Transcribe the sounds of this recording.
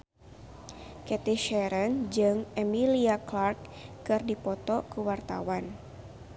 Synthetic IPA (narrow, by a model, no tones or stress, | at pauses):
kɛt̪iʃɛɾənd͡ʒɨŋɛmiliaklark̚ːɨrdipɔt̪ɔkəwart̪a̰wan